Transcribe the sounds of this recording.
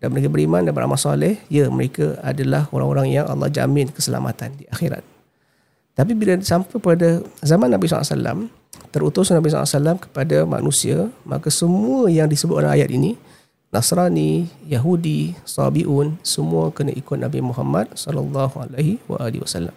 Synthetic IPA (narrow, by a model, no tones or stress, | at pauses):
danməɾekabəɾimãndabəɾa̰masalɛhjəməɾekaadalahoɾa̰ŋoɾaŋjaŋʔɑ̰lˠˤːɑ̰hd͡ʒa̰mɪnkəsəla̰mʔa̰t̪andiaxiɾa̰t̪̚ː | ap̬ibilaisampajpadazamanːabisɔ̰la̰sa̰la̰m | t̪əɾut̪ʊsnabis̬ɔ̰la̰salamkə̥padama̰nusiama̰kasəmuəjaŋdisəbʊt̪oɾaa̰jat̪ini | nasɾanijaɦudisɑ̰biʔunsəmuəkəna̰ʔikʊt̪̚nabimuɦamːat̪̚sɑlɑlˤːɑhualajɦiwa̰ʔalḭwasalːa̰m